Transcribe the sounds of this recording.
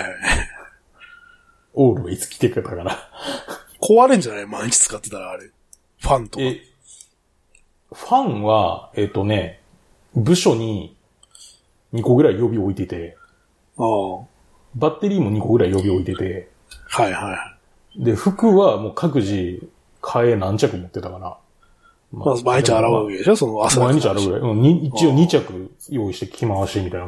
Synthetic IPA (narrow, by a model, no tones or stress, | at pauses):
a | oːɾɯ̟βait͡sɨ̥kʲi̥t̪e̞kɯ̟ɾet̪ːakaɾa | kʰo̞βaɾɯ̃ɲd͡ʑanajmãɲit͡ɕi̥t͡sɨ̥kat̪ːet̪aɾaːɾe | ɸãnt̪od̪e | ɸãɰ̃βa̰e̞t̪ːo̞ne̞ | bɯ̟ɕo̞ɲ̟i | ɲ̟iko̞ɡɯ̟ɾaijo̞bʲio̞it̪et̪e̞ | a | bat̪ːe̞ɾʲiːmo̞ɲ̟iko̞ɡɯ̟ɾaijo̞bʲio̞it̪e̞t̪e̞ | haihajha | d̪e̞ɸɯ̟kɯ̟βamo̞ːkʰak̬ɯ̟ʑi | kʰae̞nãɲt͡ɕakɯ̟mo̞t̪ːe̞t̪akana̰ | mamamaeɲit͡ɕaaɾaβad̪esosonoasmaẽɲɲːit͡ɕaɾaɡɯɾa̰iʔɯ̃ɲiit͡ɕio̞ɲit͡ɕakɯ̟ | jo̞ːiɕi̥t̪ekʲʰimaβaɕiːmʲit̪aina